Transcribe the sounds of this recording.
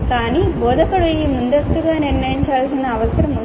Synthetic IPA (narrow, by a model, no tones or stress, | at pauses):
kaːniboːd̪ʱɐkːɐɭujimund̪ɐst̪uɡaːniɾnɐjiɲt͡ʃaːlsinːɐːʋɐsɐɾɐmu